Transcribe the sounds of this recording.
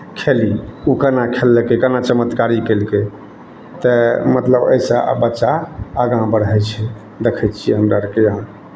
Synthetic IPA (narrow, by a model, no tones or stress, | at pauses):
kʰeliukənakʰelːɛkekənat͡ʃəmət̪kaɾikelke | t̪əmət̪ləbə̰jsa̰bətːʃaːɡãbəɽɦɛt͡ʃʰɛ | d̪ekʰɛt̪t͡ʃʰijɛɦəmɾaɾkeɦã